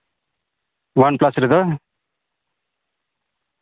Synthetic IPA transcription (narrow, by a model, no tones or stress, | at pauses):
wanplasɾed̪ʌ